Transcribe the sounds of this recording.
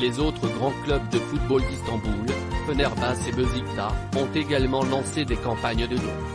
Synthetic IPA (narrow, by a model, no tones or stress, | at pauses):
lezot̪χəɡʁɑ̃klœbd̪əfut̪̚bold̪ist̪ɑ̃bul | fənɛʁbasebøzikt̪aɔ̃t̪eɡalmɑ̃lɑ̃sed̪ekɑ̃paɲd̪əly̰